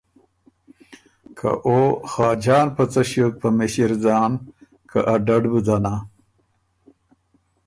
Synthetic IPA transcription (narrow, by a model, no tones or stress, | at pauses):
kʰa̰ʔoxɑːd͡ʑɑːnpɐt͡sɐɕok̚pʰɐmeɕiɾd͡zɑːn | kʰaʔaɖaɖbud̪ana